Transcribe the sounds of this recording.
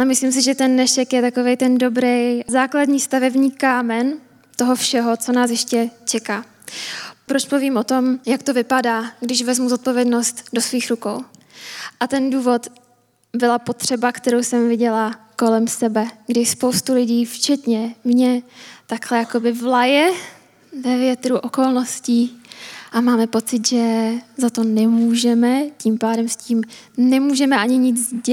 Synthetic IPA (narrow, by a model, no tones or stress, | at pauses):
ɛmɪslims̬ɪʒɛt̪ɛnːɛʃɛkjɛt̪ako̞vejt̪ɛndo̞bɾɛjzaːkladɲiːst̪avɛbɲiːkaːmɛn | t̪o̞ɦofʃɛɦo̞t͡so̞naːsjɛʃcɛt͡ʃɛkaː | pɾot͡ʃpuviːmʔo̞t̪omjakt̪ovɪpadaːɡdɪʃvɛzmuzo̞t̪̚povjɛdno̞st̪do̞sviːxɾuko̞̰w | ʔat̪ɛnduːvo̞t̪ | bɪlapo̞t̪r̝̥ɛbakt̪ɛɾowsɛmvɪɟɛlako̞lɛmsɛbɛɡdɪspo̞wst̪ulɪɟiːft͡ʃɛt̪ɲɛmɲɛt̪aklɛjako̞bɪvlajɛ | vɛvjɛt̪ɾuʔo̞ko̞lno̞sci | ʔamaːmɛpo̞t͡sɪt̪ʒɛzat̪o̞nɛmuːʒɛmɛciːmpaːdɛmsciːmnɛmuːʒɛmɛʔaɲɪɲɪd͡zzɟɛ